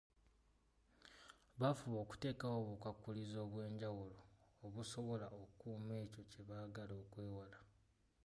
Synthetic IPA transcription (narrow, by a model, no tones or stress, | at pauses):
βafuβo̞ːku̥te̞ːkawoβukakːulizo̞ːβwe̞ːɲɟawuloːβuso̞βo̞laokuːme̞ːco̞ce̞βaːɡalo̞ːkwe̞ːwala